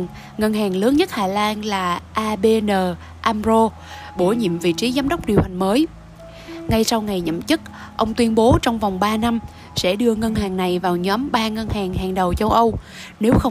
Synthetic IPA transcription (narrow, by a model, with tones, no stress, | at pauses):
ŋə˧nɦaː˨˩ŋlɨː˨˦ŋɲə˦˥t̚haː˨˩laː˧nlaː˨˩ʔaː˧ɓe˧nəː˨˩ | ʔaː˧mzo˧ | ɓo˧˩ɲḭ˧˨mvḭ˧˨t͡ɕi˨˦zaː˨˦mɗə˦˥wk͡p̚ɗi˨˩əwha˨˩ŋ̟məː˨˦j | ŋa˧jsa˧wŋa˨˩jɲə̰˧˨mt͡ɕɨ˦˥k̚ | ʔə˧wŋ͡mt̪wi˧ənɓo˨˦t͡ɕɔ˧wŋ͡mva˨˩wŋ͡mɓaː˧na˧m | sɛ̰˧˥ɗɨ˧əŋə˧nɦaː˨˩ŋna˨˩jvaː˨˩wɲɔ˨˦mɓaː˧ŋə˧nhaː˨˩ŋɦaː˨˩ŋɗə˨˩wt͡ɕə˧wʔə˧w | ne˨˦wxə˧w